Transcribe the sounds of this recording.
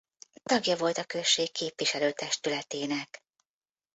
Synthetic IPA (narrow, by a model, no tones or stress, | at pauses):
t̪ɒɡjɒvo̞lt̪ɒkø̞ʃːeːkʰːeːpʋiʃɛløːt̪ɛʃt̪ylɛt̪eːnɛk